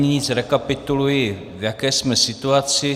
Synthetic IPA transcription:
ɲiɲɪt͡sɾɛkapɪt̪ulujɪ | vjakɛːsmɛsɪt̪uat͡sɪ

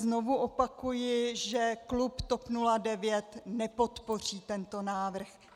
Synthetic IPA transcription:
zno̞vuʔopakujɪʒɛklupt̪opnuladɛvjɛt̪nɛpo̞t̪po̞r̝iːt̪ɛnt̪o̞naːvr̩x

